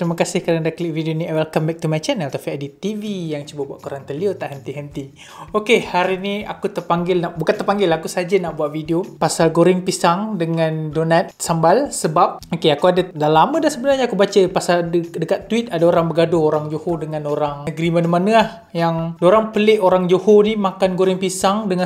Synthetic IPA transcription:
t̪ɾiməkasɪhkaɾaŋdakliʔ̚vidioniawɛlkambɛk̚t̪umat͡ʃanalt̪apiadit̪ivijaŋt͡ʃubabuaʔ̪̚kuɾaŋt̪əliot̪aʔɦənt̪iɦənt̪i | okehaɾinia̰kut̪ərpaŋɡɪlnaʔbukant̪ərpaŋɡɪlakusad͡ʒanaʔbuaʔ̪̚vidiopasalɡoɾɪŋpisaŋdəŋãndonat̪̚sambalsəbap̚okeakuadadalamə̃dasəbənarɲakubat͡ʃəpasaldəkat̪ːuit̪̚adaoɾaŋbəɡadooɾaŋd͡ʒohodəŋãnoɾaŋəɡɾimanəmanəah | jaŋdoɾaŋpəleʔoɾaŋd͡ʒohonimakanɡoɾɪŋpisaŋdəŋa

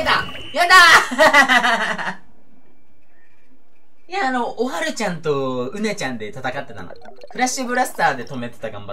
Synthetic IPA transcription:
d̪a | jad̪a | iaːno̞ʔːɦaɾɯ̟t͡ɕãnt̪o̞ɯ̟ne̞t͡ɕãnd̪e̞t̪at̪akat̪ːe̞t̪a̰no̰ | kɯ̟ɾaɕibɯ̟ɾasɨ̥t̪aːd̪e̞t̪o̞me̞t̪e̞̥t̪aɡãmba

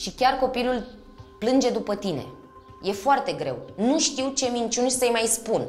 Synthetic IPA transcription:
ʃikʲarko̞pilul | plɨnd͡ʒe̞d̪upət̪ine̞̰ | je̞foart̪e̞ɡɾe̞̰wnuʃt̪iwt͡ʃe̞mint͡ʃunsəjmajspun

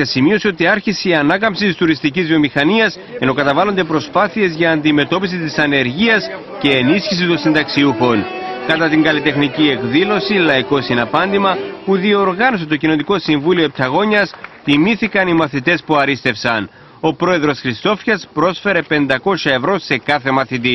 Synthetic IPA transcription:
ɐsimio̞seo̞t̪iɐɾçiseiɐnɐkɐmpsit̪ist̪uɾist̪icizvio̞mixɐniɐs | e̞no̞kɐt̪ɐvɐlo̞nd̪e̞pɾo̞spɐθie̞zʝɐːnd̪ime̞t̪o̞pisit̪isɐne̞ɾʝiɐs | ce̞ːnisçis̬it̪osind̪ɐksiuxo̞nkɐt̪ɐt̪iŋɡɐlit̪e̞xnicie̞kðilo̞silɐiko̞sinɐpɐnd̪imɐpuðio̞ɾɣɐno̞set̪o̞cino̞nt̪iko̞siɱvulio̞ep̚t̪ʰɐɣo̞ɲɐst̪imiθikɐnimɐθit̪e̞spuɐɾist̪e̞fsɐn | o̞pɾo̞e̞ðɾo̞sxɾist̪o̞fçɐspɾo̞sfe̞ɾe̞pe̞nd̪ɐko̞sɐe̞vɾo̞se̞kɐθe̞mɐθit̪i

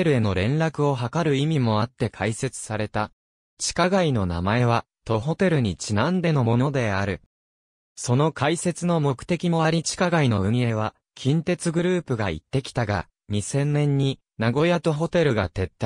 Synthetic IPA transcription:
eɾɯ̟e̞no̞ɾẽ̞nɾakɯ̟o̞ɦakaɾɯ̟imʲimo̞at̪ːe̞kʰaise̞t͡sɨ̥saɾe̞t̪a | t͡ɕi̥kaɡaino̞na̰mae̞β̞a | t̪o̞ɦo̞t̪e̞ɾɯ̟ɲ̟it͡ɕinãnd̪e̞no̞mo̞no̞d̪e̞aɾɯ̟ | so̞no̞kʰaise̞t͡sɨno̞mo̞kɯ̟̥t̪e̞kʲimo̞aɾʲit͡ɕi̥kaɡaino̞ɯ̟̃ie̞β̞a | kʲʰĩnt̪e̞t͡sɨɡɯ̟ɾɯ̟ːpɯ̟ɡa̰ḭt̪ːe̞kʲi̥t̪aɡa̰ | ɲ̟isẽ̞nːẽ̞ɲ̟ːi | naɡo̞jat̪o̞ɦo̞t̪e̞ɾɯ̟ɡa̰t̪e̞t̪ːa

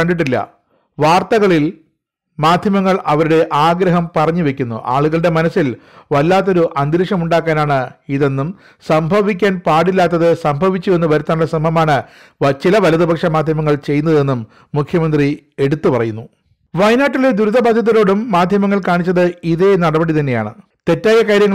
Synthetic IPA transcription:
kɐɳɖiʈ̬ːilːɐ̰ | ʋaːrt̪ɐɣɐɭil | maːd̪ʱjɐmɐŋːɐɭɐʋɐɾuɽe̞ʔaːɡɾɐɦɐmpɐrɐɲːuʋe̞kʲːunːṵʔa̰ːɭuɣɐɭɽe̞mɐnɐsːilʋɐlːaːt̪ːo̞ɾuʔɐnd̪ɾiʂɐmuɳɖaːkːaːnaːɳɨiðe̞nːum | sɐmbʱɐʋik̬ʲːaːnpaːɽilːaːt̪ːɐðɨsɐmbʱɐʋit͡ɕːue̞nːuʋɐɾut̪ːaːɳɭːɐsɐmbʱɐmaːɳɨ | t͡ɕilɐʋɐlɐðɨbʱɐkʂɐmaːd̪ʱjɐmɐŋːɐɭt͡ɕe̞jːunːɐðe̞nːumː | ukʰjɐmɐnd̪ri | e̞ɽut̪ːupɐrɐjunːu | ʋɐjnaːʈːiled̪uɾuðɐbaːd̪ʱjɐt̪ːɐɾo̞ːɽumːaːd̪ʱjɐmɐŋːɐɭkaːɳit͡ɕːɐðɨiðe̞nɐɽɐbɐɽit̪ɐnːe̞jaːɳɨ̰ | t̪e̞tːaːjɐkaːɾjɐŋː

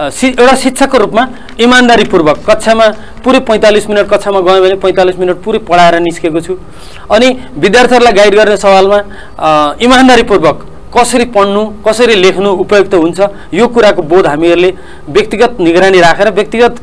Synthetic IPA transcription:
sewʈasit̪ːsʰakoɾupma | imand̪aɾipurbʌkːʌt̪ːsʰama | puɾepʌj̃t̪alisminʌʈ̚kʌtːsʰamaɡʌẽbʱʌnepʌj̃t̪alisminʌʈ̚puɾepʌɽaeɾʌniskekot͡sʰu | ʌnibid̪jart̪ʰiʌɾulajɡajɖɡʌrnesʌbalma | imand̪aɾipurbʌkː | ʌsʌɾipʌɳnukʌsʌɾilekʰnuupʌjoɡ̚t̪ʌɦunt͡sʰʌ | jokuɾakobod̪ɦamiʌɾule | bjʌkt̪iɡʌt̪̚niɡɾaniɾakʰeɾʌbjʌk̚t̪iɡʌt̪

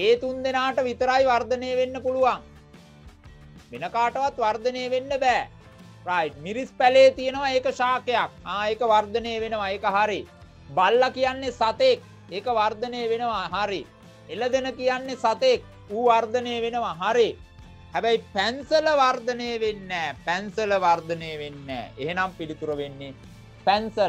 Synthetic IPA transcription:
eːt̪und̪enaːʈəʋit̪əɾajʋard̪əneːʋenːəpuluʋaŋ | ʋenəkaːʈəʋat̪ʋard̪əneːʋenːəbæː | raːjmiɾispæleːt̪ijənəʋaeːkəʃaːkejak̚aːeːkəʋard̪ənejːʋenəʋaeːkəɦaɾi | balːakijanːesat̪ek̚ | eːkəʋard̪ənejːʋenəʋaɦaɾi | eləd̪enəkijanːesat̪ek̚ | uːʋard̪əneːʋenəʋaɦaɾi | hæbɛjpænsələʋard̪ənejʋenːɛːpænsələʋard̪ənejʋenːɛ̰ːeɦenampilit̪uɾəʋenːe | pænsəl

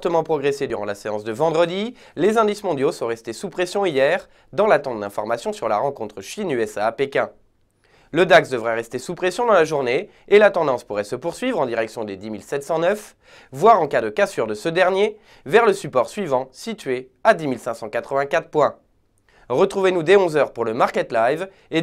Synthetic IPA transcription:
ʁt̪əmɑ̃pχɔɡʁesed̪yʁɑ̃laseɑ̰̃sd̪əvɑ̃d̪ʁəd̪i | lezɛ̃d̪ismɔ̃d̪josɔ̃ʁɛst̪esupχesjɔ̃ijɛʁ | d̪ɑ̃lat̪ɑ̃t̪̚d̪ɛ̃fɔʁmasjɔ̃syʁlaʁɑ̃kɔ̃t̪χəʃinyɛsapekʲɛ̃ | ləd̪aksd̪əvʁɛʁɛst̪esupχesjɔ̃d̪ɑ̃laʒuʁneː | lat̪ɑ̃d̪ɑ̃spuʁɛsəpuʁsɥivʁɑ̃d̪iʁɛksjɔ̃d̪ed̪imilsɛt̪sɑ̃nœf | vwaʁɑ̃kad̪əkasyʁd̪əsəd̪ɛʁnje | vɛʁləsypɔʁsɥivɑ̃sit̪ɥe | ad̪imilsɛ̃sɑ̃kat̪χəvɛ̃kat̪χpwɛ̃ | ʁət̪χuvenud̪eɔ̃zœʁpuʁləmaʁkʲɛt̪lajv | e

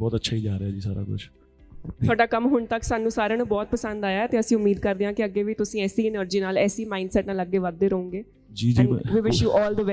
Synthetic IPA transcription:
bɔːt̪ətːʃʰaːiːd͡ʒaːɾeaːd͡ʒiːsaːɾa̰ːkʊ̰t͡ʃʰ | t̪ʰaːɖaːkəmɦʊɳt̪əksaːnũːsaːɾãːnũːbɔːt̪̚pəsə̃nd̪aːjaːt̪eːəsĩːʊmiːd̪kəɾd̪eãːkɪəɡːeːʋiːt̪ʊsĩːɛːsiːɪnəɾd͡ʒiːnaːlɛːsiːmaːɪɳɖsɛːʈnaːləɡːeːʋad̪ːeːɾəũːŋɡeː | d͡ʒiːd͡ʒḭːʋiːʋɪʃjuːʔɔːld̪əʋ

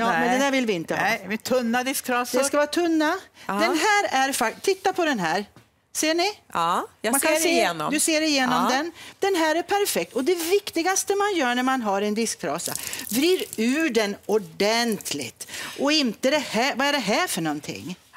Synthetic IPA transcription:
jɑːmɛnd̪ɛd̪æːɾvɪlvɪɪnt̪ət̪ʰɵnːad̪ɪsk̚t̪ʰɾɑsɛskavɑːat̪ʰɵnːḁɛnɦæːɾæɾfat̪ʰɪt̪ːapʰɔd̪ɛnɦæːɾ | seːɳɪ | makʰaend̪ɵseːɾɪjeːnɔmd̪ɛnd̪̥ɛnɦæːɾæɾpʰæɾfɛk̚t̪ɔd̪ɛvɪkt̪ɪɡast̪əmanjœːɳæɾmanɦaɾɛnd̪ɪsk̚t̪ʰɾɑ̰ːsa̰vɾiːɾʉ̟ːɖɛnʊɖɛnt̪ʰlɪ̰t̪ʔɔɪnt̪əd̪ɛhævaæɖɛɦæɾfœɳɔnt̪ʰɪ̰ŋː

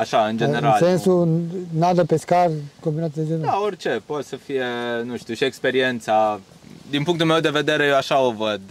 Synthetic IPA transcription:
aʃaɨnd͡ʒeeɾnalsenssunad̪əpeskarkombinat̪d̪ezid̪aorʲt͡ʃe̞po̞t̪səfijenũʃt̪uʃiekspe̞ɾie̞nt̪sa | d̪inpuŋk̚t̪ulme̞wd̪e̞ve̞d̪e̞ɾejewaʃao̞vəd̪

